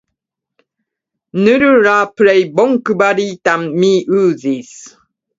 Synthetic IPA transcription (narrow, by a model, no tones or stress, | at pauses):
nɨɾəɾapɾɛjbɔŋkɨbaɾitamːiʉzis